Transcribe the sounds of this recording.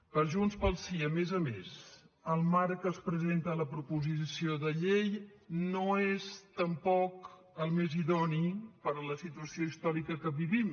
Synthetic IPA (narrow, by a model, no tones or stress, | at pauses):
pəɾʒunspəlˠsiəmezəmez | əlˠmaɾkəːspɾəzent̪ələpɾupuzisioðəʎejnoezt̪əmpɔk | əlˠmeziðɔnipəɾələsit̪uəsioist̪ɔɾikəkəβiβim